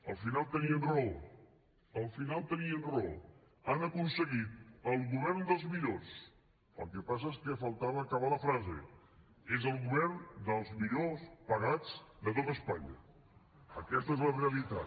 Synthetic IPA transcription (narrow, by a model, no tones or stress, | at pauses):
əlˠfinalˠt̪əniənrɔlˠ | əlˠfinalˠt̪əniənrɔlˠ | anəkunsəɣit̪̚əlˠɣuβɛrnd̪əlˠzmiʎos | ə̰lˠkepas̬əeskəfəlˠt̪aβəːkəβaləfɾazḛ | ezəlˠɣuβɛrnd̪əlˠzmiʎospəɣad͡zd̪ət̪ot̪əspaɲə̰ | ə̰kɛst̪əezləreəlit̪a̰